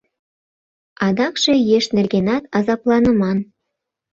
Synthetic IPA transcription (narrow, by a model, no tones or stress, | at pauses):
ɑd̪ɑkʃejeʃnerɣenɑt̪ɑzɑplˠɑnəmɑn